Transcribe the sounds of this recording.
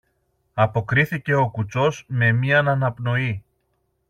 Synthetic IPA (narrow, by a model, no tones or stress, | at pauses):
ɐpo̞kɾiθice̞o̞kut͡so̞zme̞miɐnɐnɐpno̞i